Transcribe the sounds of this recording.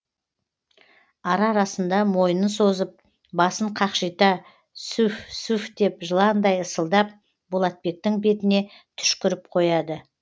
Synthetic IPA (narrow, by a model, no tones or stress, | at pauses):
ɑɾɑɾɑsənd̪ɑmo̞jnənso̞zəp̚ | bɑsəɴqʰɑqʃijt̪ɑ | sufsufd̪e̞pʒəlˠɑnd̪ɑjəsəlˠd̪ɑp̚ | bolˠɑt̪̚be̞k̚t̪ɪŋbe̞t̪ɪne̞ | t̪ʰʏ̥ʃkʲɪɾɪp̚qʰo̞jɑd̪ə